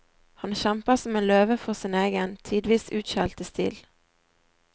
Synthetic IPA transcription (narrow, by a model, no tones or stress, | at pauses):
hɑnʃæmpəʁsɔmeːnløːʋəfɔʁsiːneːɡənt̪ʰiːd̪ʋiːsʉːt̪ʃælt̪əst̪ḭːl